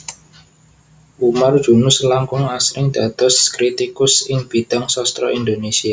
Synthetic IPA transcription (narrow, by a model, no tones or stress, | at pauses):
ʔumard̥ʒ̥ṳnʊslaŋkʊŋasɾɪŋd̪̥a̤d̪̥ɔ̤skɾit̪ikʊsɪŋb̥i̤d̥a̤ŋsɔst̪ɾɔind̪onesia